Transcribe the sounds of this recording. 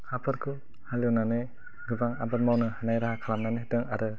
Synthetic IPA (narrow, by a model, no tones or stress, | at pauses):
hapʰɯɾkʰɯ | halɯnane | ɡɯbaŋa̰bat̚mawnɯhanajɾaɦakʰalamnanedɯŋaɾɯ